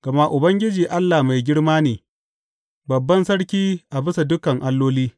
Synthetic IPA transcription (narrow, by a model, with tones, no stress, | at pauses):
ɡ̥ɐ˨ma˦ʔʊ˨bɐ˦ŋɡʲɪ˦d͡ʒiː˨ʔa˦lːa˨ma˨jɡʲɪ˦ɽmaː˦neː˨ | bɐ˨bːɐ˦nsɐ˦ɽkʲiː˦ʔa˨bɪ˦sa˨dʊ˦kɐ˨ŋʔa˦lːoː˦liː˦